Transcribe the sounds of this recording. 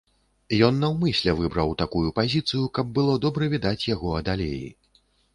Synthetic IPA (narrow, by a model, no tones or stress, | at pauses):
jɔnːɐwmɨsʲlʲɛvɨbɾɐwt̪akujupazʲit̪sɨjukɐb̚ːɨlˠɔd̪ɔbɾɐvʲid̪at͡sʲjaɣɔɐd̪alʲejḭ